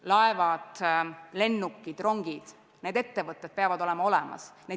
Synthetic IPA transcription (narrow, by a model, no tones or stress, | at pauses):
lɑevɑd̪̥le̞nːukːid̪̥ro̞ŋɡ̥id̪̥ | ne̞ːd̪e̞t̪ːe̞vɤt̪ˑːed̪̚peɑvɑd̪o̞lemɑo̞lɛmɑ̰sne